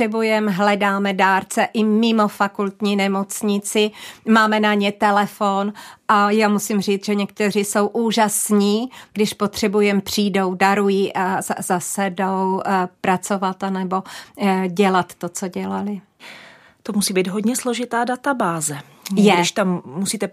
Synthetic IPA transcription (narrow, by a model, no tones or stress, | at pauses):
ɛbujɛmɦlɛdaːmɛdaːɾt͡sɛʔɪmɪmo̞fakult̪ɲiːnɛmo̞t͡sɲɪt͡sɪmaːmɛnaɲɛt̪ɛlɛfonʔajaːmusɪmriːt͡sʒɛɲɛk̚t̪ɛr̝ɪso̞wʔuːʒasɲiːɡdɪʃpo̞t̪r̝̥ɛbujɛmpr̝̥iːdo̞wdaɾujiːʔazzasɛdowpɾat͡so̞vat̪anɛbo̞ɟɛlat̪ːo̞t͡so̞ɟɛlalɪ | t̪omusiːbiːd̪ɦod̪ɲɛsloʒɪt̪aːdat̪abaːzɛ | jɛdɪʃt̪amːusiːt̪ɛ